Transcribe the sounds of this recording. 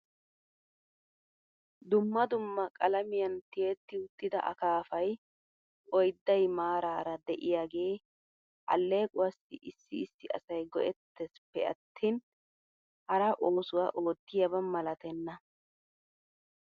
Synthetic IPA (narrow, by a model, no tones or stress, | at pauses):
d̪ʊmːɐd̪ʊmːɐkʼɐlɐmɪjɐnt̪ɪjet̪ːɪʊt̪ːɪd̪ɐ̰ʔɐ̰kaːfɐj | ɔjd̪ːɐjmaːɾaːɾɐd̪ɛʔɪjaːɡe̞ː | ʔɐ̰lːe̞ːkʼʊwɐsɪʔɪsːɪɪsːɪʔɐ̰sɐjɡɔʔɛt̪ːɛspːɛɐ̰t̪ʰːiːn | hɐɾɐʔo̞ːsʊwaʔoːt̪ːɪjɐbɐmɐlɐt̪ɛnːɐ